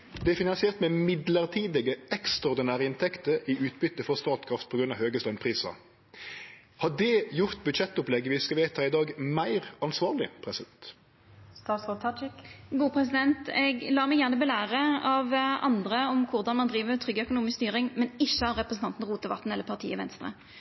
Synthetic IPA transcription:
d̪ɛæfɪnɑnsɪɛːʁt̪mɛmɪd̪ləʁt̪ʰiːd̪ɛɡəɛkst̪ʁɑɔɾd̪ɪnæːʁəɪnt̪ʰɛkt̪əɾɪʉːt̪bʏt̪ːəfɔʁst̪ɑːt̪kʰʁɑft̪̚pʰɔɡɾʉnɑ̰ʋhøːɡəst̪œʏnpʰʁiːsɑ̰ | hɑd̪ɛjʊʁt̪bʉd̪ʃɛt̪ːʊplɛɡːəʋɪskɑʋeːt̪ʰɑːɪd̪ɑːɡmæɪʁɑnsʋɑːʁlɪ̰pʰɾɛsɪd̪ɛnt̪ | st̪ɑːt̪sʁoːt̪ʰɑt͡ʃɪkɡuːpʰʁɛs̬ɪd̪ɛnt̪ɛɡlɑːmɛjæʁnəbɛlæːʁəɑʋɑ̰nd̪ʁəɔmkʰʊʁd̪ɑnmɑnd̪ʁiːʋəmɛt̪ʰʁʏɡːəœkʊnuːmɪskst̪yːʁɪŋmɛnɪçːəɑʁɛpʁəsn̩t̪ɑnt̪n̩ʁuːt̪əʋɑ̰t̪ːn̩ɛlːəpʰɑʁt̪ʰḭːəʋɛ̰nst̪ʁə̰

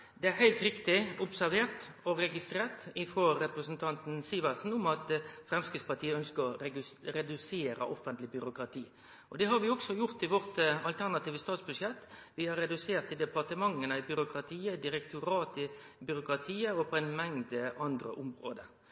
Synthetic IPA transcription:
d̪ɛæɾhæɪlt̪ɾɪkt̪ɪʊpsæɾʋeːɾt̪ | ɔɾɛɡɪst̪ɾeːɾt̪ɪfoːɾɛpɾəsənt̪ʰɑnt̪n̩siːʋɑsn̩ʊmɑt̪fɾɛmskɪt̪spɑt̪ʰiːəœnskəɾɔɾɛd̪ʉseːɾə̰ʔɔfːənt̪lɪbʏɾʊkɾɑt̪ʰiː | ʔɔd̪ɛɦɑɾʋɪɔɡsɔjʊɾt̪ɪʋɔɾt̪ɑlt̪ʰæɾnɑt̪iːʋəst̪ɑːt̪sbʉd̪ʂjɛt̪ːʋɪhɑɾɛd̪ʉseːɾt̪ɪld̪ɛpɑʁt̪əmɑŋːənəɪbʏɾʊkɾɑt̪ʰiːəd̪ɪɾɛkt̪ʊɾɑːt̪ɪ | bʏɾʊkɾɑt̪ʰiːəɔpʰɔɛɪnmɛŋd̪əʔɑnd̪ɾə̰ʔʊmɾo̰ːd̪ə

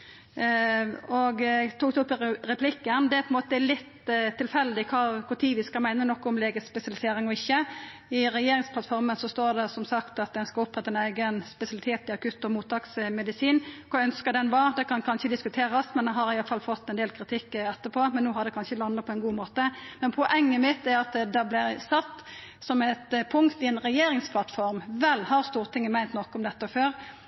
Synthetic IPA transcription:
ɔɡt̪uːkd̪ɛʊpːɪɾɛpʰlɪkːənd̪ɛpʰɔɛnmoːt̪əɛlɪt̪t̪ʰːɪlfɛlːd̪ɪkʰɑkʰʊt̪ʰiːʋɪskɑmæɪnənɔkːʊmleːɡəspɛsɪɑlɪseːɾɪŋɔɪçːə | ɪɾɛjeːɾɪŋsplɑt̪fɔɾmənsɔst̪oːɾd̪ɛsɔmsɑkt̪ɑt̪̚d̪ɛnskɑʊpːʁɛt̪əɛnæɪɡənspɛsɪɑlɪt̪ʰeːt̪ɪɑkʰʉt̪ːɔmuːt̪ʰɑːksmɛd̪ɪsiːnkʰɑœnskəd̪ɛnʋɑd̪ɛkʰɑnkʰɑnçəd̪ɪskʉt̪ʰeːɾɑsmɛnd̪ɛɦɑɾɪjɑlfɑlfɔt̪ːɛnd̪eːlkʰɾɪt̪ʰɪkːɛt̪ːəpʰoːmɛnːuːɦɑd̪ɛkʰɑnʃəlɑnːətpʰɔɛnɡuːmoːt̪əmɛnpʰɔʔɛŋːəmɪt̪ːæɾɑt̪d̪ɑblɪɾsɑt̪ːsɔmɛt̪pʰʊŋkt̪ɪɛnʁɛjeːɾɪŋspʰlɑt̪fɔɾmʋɛlːhɑɾst̪uːʁt̪ʰɪŋːəmæɪnt̪nɔkːəɔmd̪ɛt̪ːəføːɾ

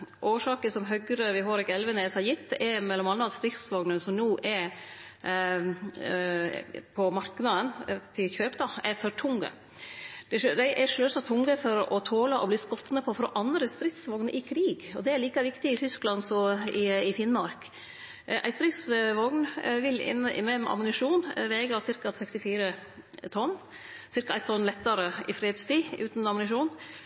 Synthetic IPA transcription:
ʔoːʂɑːkəsɔmɦœɡɾəʋɪɦoːɾɛkɛlʋənɛsɑjɪt̪ʰːɛmɛlːɔmɑnːɑɑt̪st̪ɾɪk̪sʋɔɡnənsɔmnuːʔɛ | pʰɔmɑɾknɑd̪ənt̪ʰɪlçøːpd̪ɑæɾfɔɾʈʰʊŋːə̰ | d̪̥ɛd̪æɪʔæɾʂøːsɑt̪ʰːʊŋːəfɔɾɔt̪ʰoːlɑʔɔbliːskɔt̪nəpʰɔfɾɔʔɑnd̪ɾəst̪ɾɪt̪sʋɔɡnəʔɪkʰɾiːɡɔd̪ɛæɭiːkɑʋɪkt̪ɪɪt̪ʰʏsklɑnsɔɪɪfɪnmɑɾk | ʔæ̰ɪst̪ɾɪt̪sʋɔɡnʋɪlɪ̰nːəʔɪ̰mɛmʔɑ̰mʊnɪʂuːnʋeːɡɑsɪɾkɑsɛkst̪ɪfiːɾə | t̪ʰɔn | sɪɾkɑæɪt̪ʰɔnlɛt̪ːɑɾəʔɪfɾeːd̪st̪iːʉ̰ːt̪n̩ɑmʊnɪʂuːn

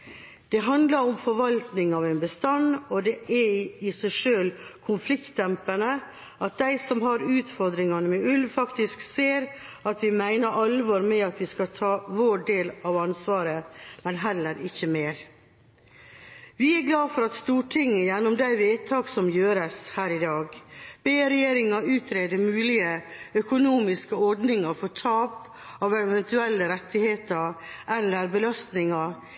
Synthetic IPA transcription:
d̪̥ɛɦɑnd̪lɑɾɔmfɔɾʋɑlt̪nɪŋɑʋæɪnbəst̪ɑnːɔd̪ɛʔɛɪsæɪʂøːlkʰʊnflɪkt̪ːɛmpənə | ʔɑt̪̚d̪æɪsɔmɦɑɾʉːt̪fɔɾd̪ɾɪŋɑnəmɛʉlʋfɑkt̪ɪskseːɾ | ɑt̪ʋɪmæɪnəɾʔɑlʋɔɾmɛɑt̪ʋɪskɑt̪ʰɑːʋoːɖeːlɑʋɑnsʋɑːɾəmɛnɦɛlːəɾɪçːəmeːɾ | ʋɪɛɾɡlɑːfɔɾɑt̪st̪uːʈʰɪŋːəjɛnːɔmd̪æɪʋeːt̪ʰɑːɡsɔmjøːɾəshæːɾɪd̪ɑːɡb̥eːɾɛjeːɾɪŋɑʉːt̪ʰɾeːd̪əmʉːlɪəœkʊnuːmɪskəɔɾɖnɪŋɑfɔtʰɑːp | ɑʋɛʋɛnt̪ʉɛlːəɾɛt̪ːɪheːt̪əɾʔɛlːəɾbəlɑst̪nɪŋɑ

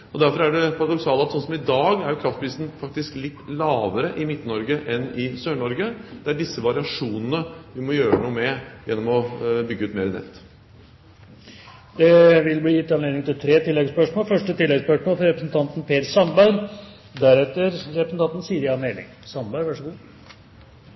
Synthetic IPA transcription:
ɔd̪æɾfɔɾæɖɛpʰɑɾɑd̪ɔksɑːlɑt̪sɔnsɔmɪd̪ɑːɡæɾjʊkʰɾɑft̪pʰɾiːsn̩fɑk̚t̪ɪsklɪt̪ːlɑːʋəɾəʔɪmɪt̪ːnɔɾɡəʔɛnɪsøːɳɔɾɡəd̪̥ɛæɖɪsːəʋɑɾɪɑʂuːnənəʋɪmɔjøːɾənuːəmɛjɛnːɔmɔbʏɡːəʉːt̪meːɾənɛ̰t̪ː | d̪̥ɛʋɪlbliːjɪt̪ːɑnleːd̪ɪŋt̪ʰɪlt̪ʰɾeːt̪ʰɪlːɛɡspœʂmoːlfœʂʈət̪ɪlːɛɡspœʂmoːlfɔɾɛpɾəsn̩t̪ʰɑnt̪n̩pʰeːɾsɑmbæɪɾ | d̪æɾɛt̪ːəɾɾɛpɾəsn̩t̪ɑnt̪n̩siːɾɪɑnelɪ̰ŋsɑnbæʋæʂəɡuː

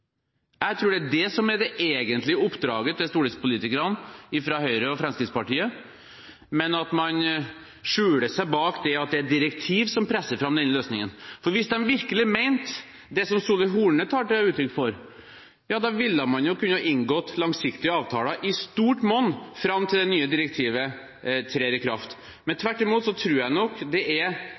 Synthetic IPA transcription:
jæɪt̪ʰɾuːɖɛæɖɛsɔmɛd̪ɛʔeːɡənt̪lɪəʊpːd̪ɾɑ̰ːɡət̪ʰɪst̪uːɖɛspʊliːt̪ɪkəɾɑnɪfɾɑhœʏɾəɔfɾɛmskɾɪd̪spɑʈiːə | mɛnɑt̪mɑn | ʂʉːɽəsæɪbɑːkd̪ɛɑt̪̚d̪ɛæd̪ɪɾɛkt̪ʰiːʋsɔmpʰɾɛsːəɾfɾɑmd̪ɛnːløːsnɪŋənfɔɾʋɪsd̪ɛnʋɪɾkəlɪmæɪnt̪ | d̪ɛsɔmsuːlɪɦuːɳət̪ʰɑːʈ̚ːɛʉːt̪ʰɾʏkːfɔɾ | jɑːd̪ɑʋɪlːəmɑnjʊkʉnːəhɑʔɪŋɡɔt̪ːlɑŋsɪkt̪ɪəɑːʋt̪ʰɑːlɑʔɪst̪uːʈmɔnːfɾɑmːt̪ʰɪld̪ɛnyːəd̪ɪɾɛkt̪ʰiːʋə | t̪ʰɾeːɾɪkʰɾɑft̪ | mɛnt̪ʰʋæʈːɪmuːt̪sɔt̪ʰɾʉːɾjæɪnɔkːd̪ɛʔɛɾ

